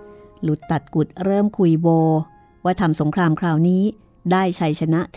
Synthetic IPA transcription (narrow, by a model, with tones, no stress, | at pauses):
lu˨˩t̪ːa˨˩t̪̚ku˨˩t̪̚ɾɤː˥˩mkʰu˧jwoː˧ | waː˥˩t̪ʰa˧mso˩˦ŋkʰɾaː˧mkʰɾaː˧wniː˦˥ | daː˥˩jt͡ɕʰa˧jt͡ɕʰa˧na˦˥ʔt̪ʰ